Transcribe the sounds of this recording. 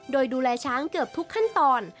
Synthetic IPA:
doː˧jduː˧lɛː˧t͡ɕʰaː˦˥ŋkɤ˨˩p̚t̪ʰu˦˥kʰːa˥˩nt̪ɔː˧n

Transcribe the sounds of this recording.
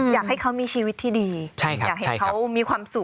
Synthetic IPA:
jaː˨˩k̚ha˥˩jkʰa˦˥wmiː˧t͡ɕʰiː˧wi˦˥t̪ʰːiː˥˩diː˧t͡ɕʰa˥˩˦aː˨˩k̚ha˩˦˥kʰa˦˥wmiː˧kʰwaː˧msu˨˩k̚

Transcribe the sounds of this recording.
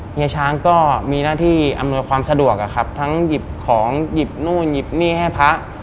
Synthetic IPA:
ŋi˧t͡ɕʰaː˧ŋkɔː˥˩miː˧naː˥˩t̪ʰiː˥˩ʔa̰˧mnu˧əjkwaː˧msa˧du˨˩ək̚ʔa˨˩kʰa˦˥p̚t̪ʰa˦˥ŋji˨˩p̚kʰɔː˩˦ŋji˨˩p̚nuː˥˩nji˨˩p̚niː˥˩ha˥˩jpʰa˦˥ʔ

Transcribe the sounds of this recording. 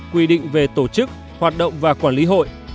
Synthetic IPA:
kwi˧˩ɗḭ̈˧˨ŋ̟ve˨˩t̪o˧˩t͡ɕɨ˦˥k̚ | hwaː˨˩t̚ɗə̰˧˨wŋ͡mvaː˨˩kwaː˧˩nli˨˦ɦo̰˧˨jʔ

